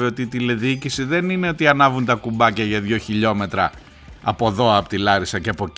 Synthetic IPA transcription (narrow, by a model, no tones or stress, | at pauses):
eo̞t̪iːt̪ile̞ðiicisiðe̞nine̞o̞t̪iɐnɐvunt̪ɐkumbɐcɐʝɐðʝo̞çiʎo̞me̞t̪ɾɐ̰ | ɐpo̞ðo̞ɐpt̪ilɐɾisɐceɐpo̞